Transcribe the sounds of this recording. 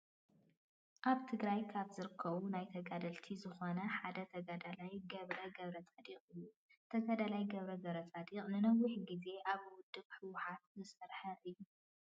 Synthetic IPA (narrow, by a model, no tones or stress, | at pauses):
ʔaβt̪ʰɨɡɾajkʰaβzɨɾɨkʰːɐβunajt̪ʰɐɡad̪ɐlt̪ʰizɨxo̞nɐħad̪ɐt̪ʰɐɡad̪alajɡɐβɾɐɡɐβɾɐt͡sʼad̪iqʼɨjːu | t̪ʰɐɡad̪alajɡɐβɾɐɡɐβɾɐt͡sʼad̪iqʼnɨnɐwːiħɡize̞ʔaβwʊd̪ːɨβħɨwʊħat̪̚zɨsɐɾħɐʔɨjːu